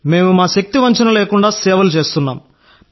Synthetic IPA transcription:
me̞ːmumaːʃɐk̚t̪iʋɐɲt͡ʃɐnɐleːkuɳɖaːsɛːʋɐlut͡ʃe̞ːst̪unːaːm

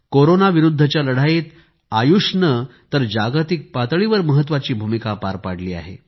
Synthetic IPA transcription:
koɾonaʋiɾud̪ʱːət͡ɕjaləɽ̤ajit̪ | ajuʂnət̪əɾd͡ʑaɡt̪ik̚pat̪ɭiʋəɾməɦət̪̬ːʋat͡ɕiːbʱumikapaɾpaɽ̤liːa̰ɦḛ

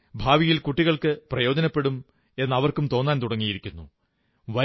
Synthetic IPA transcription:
bʱaːʋijilkuʈːiɣɐɭkɨprɐjo̞ːd͡ʑɐnɐpːe̞ɽum | e̞nːɐʋɐrkumt̪o̞ːnːaːnt̪uɽɐŋːijiɾikʲːunːṵ | ʋɐ

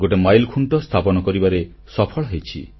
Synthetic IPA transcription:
ɡoʈemajlkʰuɳʈɔst̪ʰapɔnɔkɔɾibaɾe | sɔpʰɔɭɔɦejt͡ʃʰḭ

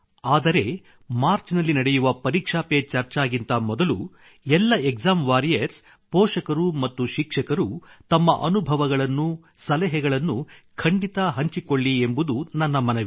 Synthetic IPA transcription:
aːd̪ɐɾe̞ | maːɾt͡ʃnɐlːinɐɽɛjuʋɐpɐɾiːkʂaːpet͡ʃɐɾt͡ʃaːɡint̪ɐmɔd̪ɐlṵ | ɛlːɐekzaːmʋaːɾijɐɾs | pɔːʂɐkɐɾumɐt̪ːuʃikʂɐkɐɾut̪ɐmːɐʔɐnubʱɐʋɐɡɐɭɐnːu | sɐlɛɦɛɡɐɭɐnːukʰɐɳɖit̪ɐɦɐɲt͡ʃiko̞ɭːiembud̪unɐnːɐmɐnɐʋi

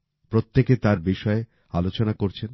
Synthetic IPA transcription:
pɾot̪ːeket̪aɾbiʃɔe | alot͡ɕonakoɾt͡ɕʰen

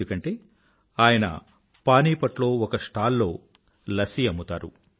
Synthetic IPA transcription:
ukɐɳʈe̞ː | aːjɐnɐ̰ | paːniːpɐʈlo̞ːɔkɐʂʈaːlːo̞ː | lɐsiɐmːut̪aːɾṵ

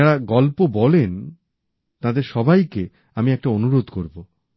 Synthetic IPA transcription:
aɾaɡɔlpobɔlen | t̪ãd̪eɾʃɔbʱajke | amiɛk̚ʈaonuɾod̪koɾbo

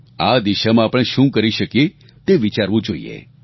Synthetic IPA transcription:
ad̪iʃamãːpəɽ̃ʃũkəɾiʃəkje | t̪eʋit͡ʃaɾʋũd͡ʒoḭḛ

